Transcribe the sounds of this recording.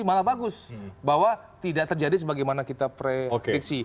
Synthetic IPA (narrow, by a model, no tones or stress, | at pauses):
imalabaɡʊsbawa | t̪idaʔ̚t̪ərd͡ʒadis̬əbaɡajmanakit̪apɾeokeɪksi